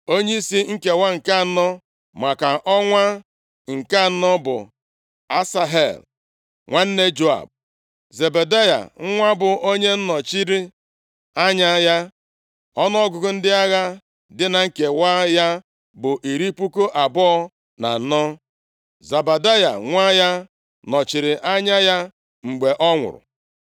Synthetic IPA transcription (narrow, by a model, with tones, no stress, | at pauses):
o˦ɲe˦i˦si˦ŋ̩˦ke˨wa˦ŋ̩˨ka˦˨˦nɔ˦ | ma˨ka˨ʔɔ˦ŋʷa˦ | ŋ̩˨ka˦˨˦nɔ˦bʊ̰˨ | a˦sa˦ɦḛ˨l | ŋʷa˦n̩˦ne˦d͡ʒo˦a̰˨b̚ | ze˨be˨da˦ja̰˨ŋ̩˦ŋʷa˦bʊ˨ʔo˦ɲe˦n̩˦nɔ˨t͡ʃi˦ɾi˦ | a˦ɲa˦ja˦ | ɔ˦nɔ˦ɔ˦ɡʊ˨ɡʊ˨n̩˦dɪ˦a˦ɣa˦ | dɪ˦na˨ŋ̩˦ke˨waː˦ja˦ | bʊ˨ʔi˨ɾi˦pu˦ko˦ʔa˨bɔ˦ɔ˦ | na̰˨n̩˦nɔ˦ | za˨ba˨da˦ja̰˨ŋʷa˦ja˦ | nɔ˨t͡ʃi˨ɾɪ˨ʔa˦ɲa˦ja˦ | ŋ͡m̩˨ɡ͡be˨ʔɔ˦ŋʷʊ̰˨ɾʊ̰˨